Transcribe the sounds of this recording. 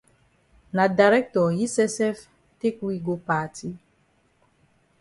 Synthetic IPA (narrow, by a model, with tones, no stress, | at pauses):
na˨da˨ɾɛ˦k̚tɔ˨ji˦sɛ˦sɛ˦f | te˦kwi˦ɡo˦pa˦tʰi˦